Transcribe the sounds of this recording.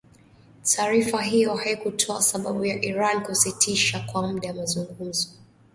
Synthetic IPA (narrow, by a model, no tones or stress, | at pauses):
tʰaːɾifaɦijɔhaikutʰɔasaɓaɓujaʔiɾankusitʰiʃakwam̩ɗajamazuŋɡum̩zɔ